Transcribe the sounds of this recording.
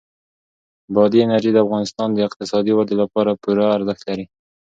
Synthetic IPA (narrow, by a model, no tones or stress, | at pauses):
bɑd̪iɪnaɾʒid̪əafɣɑnɪst̪ɑnd̪əɪq̚t̪ɪsɑd̪iwad̪elapɑɾapuɾaːɾzəxt̪laɾi